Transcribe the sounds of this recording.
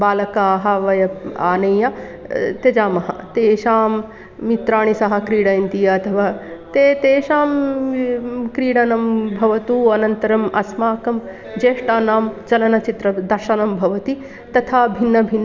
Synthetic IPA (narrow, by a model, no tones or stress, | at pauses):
baːlɐkaːɦɐʋɐjɐa̰ːnɐjjɐt̪ed͡ʒaːmɐɦɐ̰t̪eːʃaːmː | it̪ɾaːɳ̃isɐɦɐ̆kɾiːɽɐjɐnt̪ijɐɐt̪ʰɐʋaːt̪eːt̪eːʃaːm | kɾiːɽɐnɐmbʱɐʋɐt̪uːɐnɐnt̪ɐɾɐmɐsmaːkɐm | d͡ʒeːʂʈaːnaːmt͡ʃɐlɐnɐt͡ʃit̪ɾɐd̪ɐɾʃɐnɐmbʱɐʋɐt̪i | t̪ɐt̪ʰaːbʱinːɐbʱinː